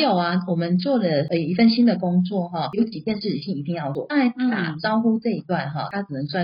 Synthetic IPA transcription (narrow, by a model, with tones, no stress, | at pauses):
jo˥˩ʊa˨wɔ˨˩mə˦nt͡swɔ˥˩lə˩ə˨˩i˧˥fə˥˩nɕi˥nd̪ə˨kʊ˥ŋt͡swɔ˥˨˩ɦɔ˥˩jo˧˥ʊt͡ɕi˨˩t͡ɕjɛ˥˧nʂɻ̩˥˩t͡ɕʰi˨ŋi˨˧˥i˥˧ŋjɑ˥˧ʊt͡swɔ̰˥˨˩a˧˥ɪt̪a˥˩a˨˩t͡sɑ˥ʊxu˥t͡sɤ˥˧˩i˧˥t̪wa˥˧nɦɔ̰˨˩t̪ʰa˥t͡s̩˨˩nə˧˦ŋswa˥˧˩